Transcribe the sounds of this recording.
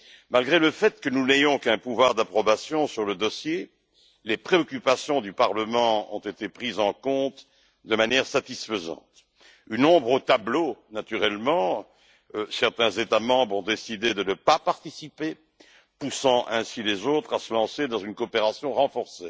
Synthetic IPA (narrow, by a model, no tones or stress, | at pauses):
malɡʁeləfɛt̪kənunejɔ̃kɛ̃puvwaʁd̪apχɔbasjɔ̃syʁləd̪ɔsje | lepχeɔkʲypasjɔ̃d̪ypaʁləmɑ̃ɔ̰̃t̪et̪epχizɑ̃kɔ̃t̪ | d̪əmanjɛʁsat̪isfəzɑ̰̃t̪ | ynɔ̃bʁot̪ablonat̪yʁɛlmɑ̃ | sɛʁt̪ɛ̃zet̪amɑ̃bʁɔ̃d̪esid̪ed̪ənəpapaʁt̪isipe | pusɑ̃ʔɛ̃silezot̪χasəlɑ̃sed̪ɑ̃zynkoɔːpeʁasjɔ̃ʁɑ̃fɔʁse